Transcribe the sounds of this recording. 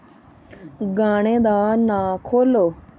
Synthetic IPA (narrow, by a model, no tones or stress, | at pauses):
ɡaːɽ̃ẽːd̪aːnãːkʰoːloː